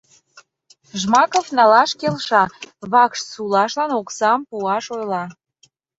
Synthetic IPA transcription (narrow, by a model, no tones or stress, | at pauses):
ʒmɑkofnɑlɑʃkelʃɑβɑkʃsulɑʃlɑnoksɑmpuɑʃojlɑ